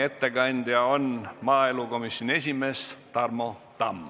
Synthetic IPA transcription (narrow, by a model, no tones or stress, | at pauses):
e̞t̪ːe̞kɑnʲd̪̥jɑonmɑːeluko̞misːjonʲe̞sʲime̞ːst̪ɑrmo̞t̪ɑm